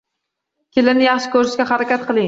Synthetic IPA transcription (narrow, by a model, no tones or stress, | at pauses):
kʲʰelɪnɪjɑχʃɪ̥kʰʲɵɾɪʃkʲaχaɾakʲat̪̚qʰɨlˠɪŋ